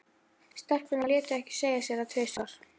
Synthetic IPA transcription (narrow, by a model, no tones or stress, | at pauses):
st̪ɛr̥kvʏnaljɛːt̪ʏɛhcɪ̥seːjasjɛɾat̪ʰveːsaaɾ̥